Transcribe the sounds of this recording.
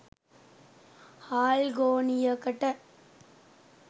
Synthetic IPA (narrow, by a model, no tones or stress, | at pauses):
haːlɡoːnɪjɐkːɐʈːɐ